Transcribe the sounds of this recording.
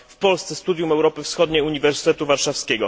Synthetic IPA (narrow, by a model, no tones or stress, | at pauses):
fpɔlst̪sɛst̪ud̪ʲjumɛwɾɔpɘfsxɔd̪ɲejuɲivɛɾsɘ̥t̪ɛt̪uvaɾʂafskʲeɡɔ